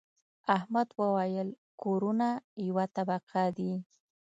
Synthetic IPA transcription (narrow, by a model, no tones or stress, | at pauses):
ahmad̪wəwajəl | koɾunajawat̪abaqʰad̪i